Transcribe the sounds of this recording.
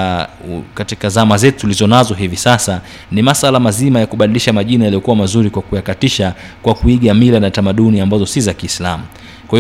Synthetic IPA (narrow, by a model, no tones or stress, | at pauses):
katikazamazɛtutulizɔnazɔɦivisasa | nimasalamazimajakuɓaɗiliʃamaʄinajalijɔkuwamazuɾikwakujakatiʃakwakuiɠamilanatamaɗuniambazɔsizakiːslamu | kwahi